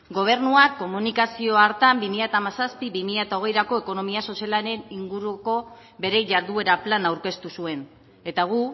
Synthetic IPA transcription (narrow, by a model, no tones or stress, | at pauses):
ɡo̞β̞e̞ɾnuakːo̞munikasio̞aɾt̪ambimiʎat̪amasaspiβimiʎat̪ao̞ɣ̞e̞jɾako̞e̞ko̞no̞miaso̞sjalaɾe̞niŋɡuɾuko̞ | βe̞ɾe̞jʝaɾðue̞ɾaplanawɾke̞st̪usue̞n | e̞t̪aɣ̞u